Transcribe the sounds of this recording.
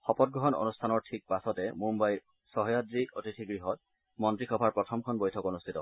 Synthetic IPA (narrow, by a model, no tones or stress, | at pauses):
xɔpɔt̚ɡɹɔɦɔno̰nustʰanɔɹtʰik̚pasɔtɛmũmbaj | sɔɦɔjadɹiʔotitʰiɡɹiɦɔt̚ | mɔntɹixɔbʱaɹpɹɔtʰɔmkʰɔnbojtʰɔkonustʰitɔ̰